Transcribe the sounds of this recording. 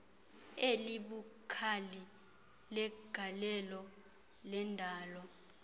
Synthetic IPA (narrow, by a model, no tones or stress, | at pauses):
eliɓukʰali | lɛɡ̥ʱalɛlɔ | lɛndʱaːlɔ